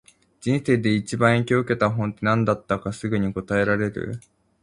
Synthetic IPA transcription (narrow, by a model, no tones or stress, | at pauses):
d͡ʑĩɰ̃se̞ːd̪e̞it͡ɕibãɰ̃ẽŋkʲoɯ̟ke̞t̪aɦõ̞nt̪ːe̞nãnd̪at̪ːakasɨɡɯ̟ɲ̟iko̞t̪ae̞ɾaɾe̞ɾɯ̟̰